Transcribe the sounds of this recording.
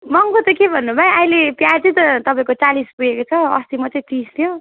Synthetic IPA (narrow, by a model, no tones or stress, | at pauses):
mʌŋkot̪ʌkebʱʌnːubʱaeajlepjat͡sʌjt̪ʌt̪ʌpaĩkot͡salispuekot͡sʰʌʌ̰st̪imʌt͡sʌĩt̪ist̪ʰjo